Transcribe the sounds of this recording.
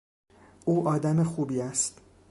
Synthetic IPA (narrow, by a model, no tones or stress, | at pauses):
ʔuːʔɒːd̪æmexuːbiːæst̪